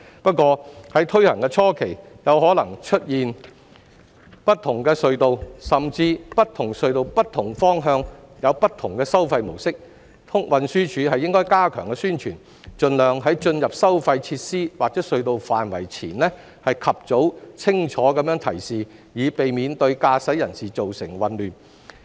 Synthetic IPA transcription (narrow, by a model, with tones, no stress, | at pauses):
pɐ˥t̚kːʷɔː˧hɐ˨˥jt̪ʰɵ˥ɥhɐ˨˩ŋkɛ˧t͡ʃʰɔː˥kʰe˨˩j | jɐ˨˧whɔː˨˥lɐ˨˩ŋt͡ʃʰɵ˥t̚jiː˨n | pɐ˥t̚t̪ʰːʊ˨˩ŋkɛː˧sɵ˧ɥt̪o˨˧wsɐ˨mt͡siː˧pɐ˥t̪ʰʊ˨˩ŋsɵ˧ɥt̪o˨wpɐ˥t̪̚ʰːʊ˨˩ŋfɔː˥ŋɦœː˧ŋjɐ˨˧wpɐ˥t̪̚ʰʊ˨˩ŋkɛː˧sɐ˥wfɐ˧jmo˨˩wsɪ˥k̚ | t̪ʰʊ˥ŋwɐ˨nsyː˥t͡ʃʰyː˨˧hɐ˨jːɪ˥ŋkɔː˥jkaː˥kʰœː˨˩ŋkɛ˧syː˥nt͡ʃʰyː˨˩n | t͡ʃɵ˨˧nlœː˨ŋɦɐ˨˥jt͡ʃɵ˧njɐ˨p̚sɐ˥wfɐ˧jt͡sʰiː˧t̚siː˥waː˨k̚t͡sɛː˨˥sɵ˧ɥt̪o˨wfaː˨nwɐ̰˨˩jt͡sʰiː˨˩nlɛː˥ | hɐ˨jkʰɐ˨p̚t͡so˨˥wt͡sʰɪ˥ŋt͡ʃʰɔː˨˥kɐ˨˥mjœː˨˥ŋt̪ʰɐ̰˨˩jsiː˨˩jiː˨˧pe˨jmiː˨˧nt̪ɵ˧ɥkaː˧sɐ˨˥jɐ˨˩nsiː˨t͡so˨wsɪ̰˨˩ŋwɐ˨nlyː˨n